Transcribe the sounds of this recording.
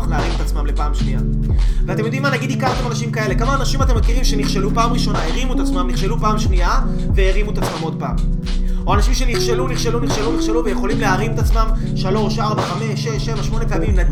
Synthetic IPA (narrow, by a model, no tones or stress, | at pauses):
χleaʁimet̪at͡smamle̞paːmʃnia | veat̪emjo̞d̪imːanaɡid̪ikalt̪emanaʃimkae̞le̞kamaːnaʃimat̪̬emːekiʁimʃe̞niχʃelupaːmʁiʃo̞naeʁimuetat͡smamniχʃe̞lupaːmʃnia | veeʁimuet̪at͡smamo̞d̪̚paːm | o̞anaʃimʃe̞niχʃe̞luniχʃeluniχʃeluniχʃeluvejeχo̞limleaʁimet̪at͡smam | ʃalo̞mʃaʁbaχame̞ʃeʃe̞vaʃmo̞nepeamimne